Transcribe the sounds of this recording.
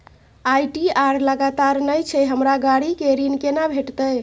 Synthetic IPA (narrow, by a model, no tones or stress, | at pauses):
ajʈiaɾləɡat̪aɾnəjt͡ʃʰɛɦəmɾaɡaɽikeɾinkenabʱeʈt̪əj